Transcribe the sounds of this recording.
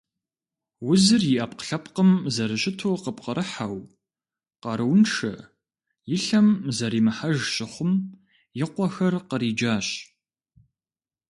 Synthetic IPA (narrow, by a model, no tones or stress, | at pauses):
wʊzɨrjɪʔɐp̚qə̥ɬɐpqəmzɐɾɨɕʼɪtʰoːqəp̚qəɾʔɨħaw | qɑɾɨwnʈ͡ʂʰɐ̰ | jɪɬɐmzɐɾiːmɨħaʒɕʼɪχʷʊm | jɪqʷɔxɐrqəɾiːd͡ʒaːɕ